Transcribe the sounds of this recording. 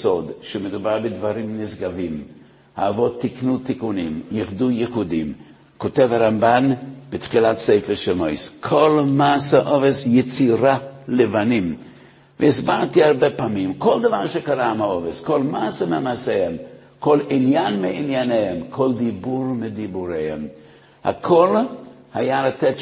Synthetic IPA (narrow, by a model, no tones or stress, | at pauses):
sod̪ʃɛmed̪ubaɾbedvaɾimnɪsɡavim | ha̰ːvot̪ʰːiknutikunḭmjiχdujəχudim | kotevhaɾambanb̥etχilatsejfɛʃelmojskʰolmaːsaʔovesjet͡siɾalevanim | vəisbaltiaɾbepaːmimkʰold̪avaɾʃekaɾamaoveskolmaːsemeamasehem | kʰolinjanmeinjanehemkʰold̪ibuɾmidibuɾehḛm | ha̰kʰolhajalat̪ɛt